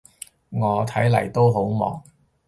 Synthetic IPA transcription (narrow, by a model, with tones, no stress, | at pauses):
ŋɔː˨˧t̪ʰɐ˨˥jlɐ˨˩jt̪o˥wɦo˨˥wmɔ̰ː˨˥ŋ